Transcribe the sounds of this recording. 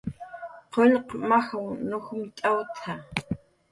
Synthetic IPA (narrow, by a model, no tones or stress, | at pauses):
qʰonqmaxaŋnoxumt̪ʼawt̪ʰa